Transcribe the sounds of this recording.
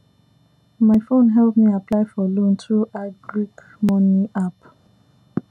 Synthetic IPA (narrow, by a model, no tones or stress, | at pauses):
maɪfõnɦɛlpmiaplaɪfɔlõntɹuʔaɪbɹik | mɔ̃niap